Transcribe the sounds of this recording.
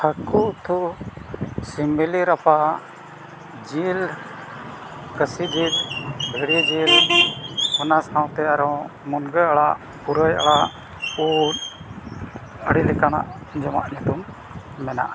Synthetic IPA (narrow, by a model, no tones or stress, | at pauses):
həkuʔt̪ʰuʔ | similiɾapa | d͡ʒil | kəsid͡ʒilɡʱəɽid͡ʒil | ɔnasaw̃t̪ɛaɾɔ̃mɔnɡəaɽaʔ | puɾəja̰ɽaʔ | un | əɽilɛkana̰ʔ | d͡ʒɔma̰ʔɲɛt̪umː | ɛna̰ʔ